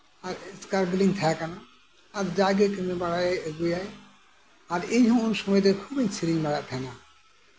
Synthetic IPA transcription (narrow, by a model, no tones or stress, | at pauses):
aɾskaɾɡliŋt̪ʰɛjakanaː | ɾd͡ʒaɡekemebaɽaɡujaj | aɾeɲɦɔ̃unsɔmɔjt̪ɛkʰubeɲsʰiɾiŋbaɽaʔ̚t̪ʰɛna